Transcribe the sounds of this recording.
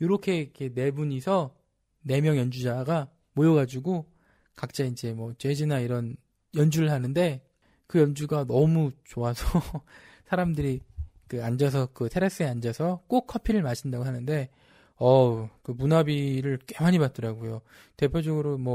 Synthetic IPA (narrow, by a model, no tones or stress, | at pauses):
joɾʌkʰe̞ikʰe̞ne̞buɲisʰʌ | ne̞mjʌŋjʌnd͡ʑud͡ʑaɡa | mojʌɡad͡ʑuɡo | kak̚t͡ɕ͈aind͡ʑe̞mwʌt͡ɕe̞d͡ʑinaiɾʌn | jʌnd͡ʑuɾɯɭɦanɯnde̞ | kɯjʌnd͡ʑuɡanʌmut͡ɕoasʰʌ | sʰaɾamdɯɾi | kɯand͡ʑʌs̬ʰʌkɯtʰeɾes͈ɯeand͡ʑʌsʰʌk͈ok̚kʰːʌpʰiɾɯɭmaɕʰindaɡoɦanɯnde̞ | ʌkɯmunabiɾɯɭk͈wemaɲibat̚t͈ʌɾaɡojo | te̞pʰjod͡ʑʌɡɯɾomwʌ